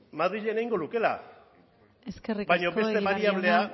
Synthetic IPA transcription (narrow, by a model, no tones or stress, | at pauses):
maðɾiʎenaiŋɡo̞nuke̞la̰ | eskeribajɲo̞βe̞st̪e̞βaɾiaβle̞a